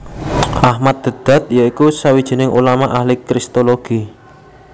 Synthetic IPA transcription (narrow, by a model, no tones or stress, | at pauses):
ʔahmat̪̚d̪̥ə̤d̪̥a̤t̪̚jaikusawid̥ʒ̥i̤nɪŋṵlamaʔahlikɾist̪oloɡ̥i